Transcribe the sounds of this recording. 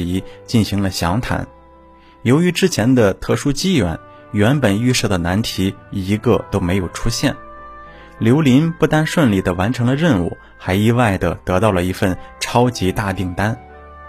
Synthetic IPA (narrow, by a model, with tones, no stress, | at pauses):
i˧˥t͡ɕi˥˩nɕi˧˥ŋlə˧ɕjɑ˧˥ŋt̪ʰa̰˧˥n | jo˧˥ʊy˧˥ʈ͡ʂɻ̩˥t͡ɕʰjɛ˧˥nd̪ə˧t̪ʰɤ˥˩ʂu˥t͡ɕi˥ɥɛ̰˧˥n | ɥɛ˧˥npə˨˩ny˥˧ʂɤ˥˩d̪ə˩na˧˥nt̪ʰi˧˥i˧˥ɡə˧t̪o˥ʊme˧˥ɪjo˨˩ʊʈ͡ʂʰu˥ɕjɛ˥˩n | ljo˧˥ʊli˧˥npu˥˩t̪a˥nʂwə˥˧nli˥˩d̪ə˩wa˧˥nʈ͡ʂʰɤ˧˥ŋlə˧ɻə˥˧nṵ˨˩ | xa˧˥ɪi˥˧wa˥˩ɪd̪ə˩t̪ɤ˧˥t̪ɑ˥˩ʊlə˩i˧˥fə˥˧nʈ͡ʂʰɑ˥ʊt͡ɕi˧˥t̪a˥˧t̪i˥˩ŋt̪a˥n